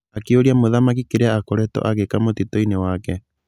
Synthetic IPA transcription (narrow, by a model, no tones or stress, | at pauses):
akeoɾiamoðamak̬ikeɾeaːkoɾetɔ̰ʔaɣekamot̪itoinewaːkɛ